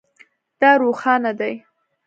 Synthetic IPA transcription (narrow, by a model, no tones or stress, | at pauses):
d̪̥ɑɾoxɑnad̪aj